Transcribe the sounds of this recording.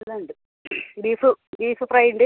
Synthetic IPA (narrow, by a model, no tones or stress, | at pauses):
lɐɳɖɨ | biːfɨbiːfɨprɐjɳɖɨ